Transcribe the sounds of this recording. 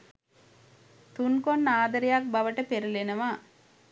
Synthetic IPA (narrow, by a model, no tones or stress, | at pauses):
t̪unkonːaːd̪əɾijak̚bɐʋəʈəpeɾulenɐʋaː